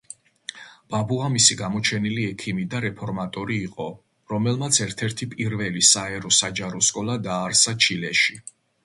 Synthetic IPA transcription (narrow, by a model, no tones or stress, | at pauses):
b̥abuamisiɡamɔt͡ʃʰɛniliɛkʰimid̪aɾɛpʰɔɾmat̪ʼɔɾiːqʼɔ | ɾɔmɛlˠmat̪sʰɛɾt̪ʰɛɾt̪ʰipʼiɾvɛlisaɛɾɔsad͡ʒaɾɔskʼɔlˠad̪aːɾsat͡ʃʰilɛʃi